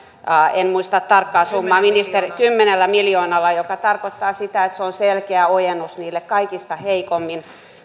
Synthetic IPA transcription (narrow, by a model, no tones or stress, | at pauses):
ɑenmuist̪ɑtt̪ɑrkːɑːsumːɑːminist̪erikymːenelːæmiljoːnɑlːɑjokɑt̪ɑrkot̪ːɑːsit̪æet̪seonselkeæojenːusniːlːekkɑikist̪ɑheikomːin